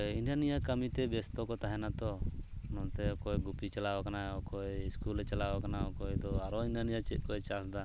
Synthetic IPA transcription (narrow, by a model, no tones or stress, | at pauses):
injanijakəmit̪ɛbɛst̪ɔkɔt̪aɦɛnat̪ɔnɔʔt̪ɛɔkɔjɡupit͡ʃalawakanaɔkɔjiskulɾɛt͡ʃalawakanaɔkɔjd̪ɔaɾɔinanijat͡ʃɛt̪ʔ̚ˀkɔɛt͡ʃasd̪a